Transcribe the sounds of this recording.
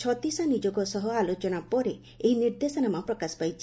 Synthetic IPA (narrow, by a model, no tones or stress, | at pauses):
t͡ʃʰɔt̪isanid͡ʒɔɡɔsɔɦɔalot͡ʃɔnapɔɾeː | ɦiniɾd̪esɔnamãpɾɔkaspajt͡ʃʰi